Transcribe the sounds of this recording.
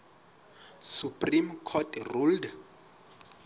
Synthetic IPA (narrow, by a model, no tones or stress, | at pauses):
supʼrimkʰɔtʰruld